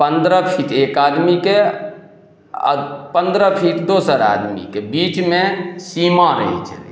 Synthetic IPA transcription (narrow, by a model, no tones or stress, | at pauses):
pənd̪ɾəpʰiʈʰekad̪mike | pənd̪ɾəpʰiʈd̪osəɾa̰d̪mḭkebit͡ʃmesimaɾə̰ɦḭt͡ʃʰəlḭ